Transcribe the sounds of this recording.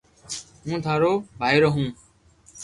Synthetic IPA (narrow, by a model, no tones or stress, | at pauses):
mũːt̪ʰaːɾoːbʱaːiːɾoːɦũː